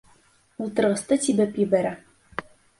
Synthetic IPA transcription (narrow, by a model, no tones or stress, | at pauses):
ulˠt̪ɤ̆ɾʁɤ̆st̪ɤt̪ibɘpjɘ̆bæɾæ